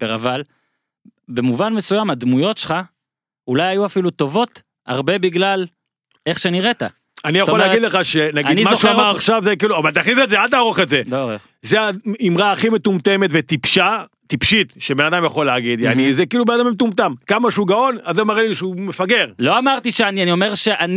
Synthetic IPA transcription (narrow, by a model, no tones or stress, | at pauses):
peʁaval | bemuvanme̞sujamad̪mujo̞tʃe̥lχa | ulajajuafilut̪o̞vo̞t̪ | aʁbe̞biɡlal | eχʃeniʁet̪a | anijaxolːeaɡid̪leχaʃenaɡidnimaʃuaaʁaχʃavzek̬iːluavalt̪̬aχnisetzealt̪aʁoχetzedoʁeχ | zeaimʁaːχimet̪umt̪e̞met̪vet̪ipʃa | t̪ipʃit̪ʃebenad̪amjaχo̞leːɡid̪a̰nizekiːlubenad̪amemet̪umt̪amkamaʃeuɡao̞nazemaʁeliʃeumefaɡe̞ʁlo̞amaʁt̪iʃeanianio̞meʁʃeʔan